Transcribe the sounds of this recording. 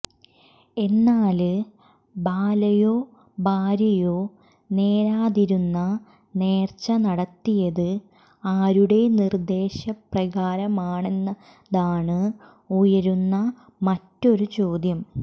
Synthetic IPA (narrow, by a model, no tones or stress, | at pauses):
e̞nːaːl | baːlɐjo̞ː | baːɾɐjo̞ː | ne̞ːɾaːðiɾunːɐ | ne̞ːrt͡ɕːɐnɐɽɐt̪ːijɐðɨ | aːɾuɽe̞nird̪e̞ːɕɐprɐɣaːɾɐmaːɳe̞nːɐ | ðaːɳɨ | ujɐɾunːɐ | mɐtːo̞ɾut͡ɕo̞ːd̪jɐm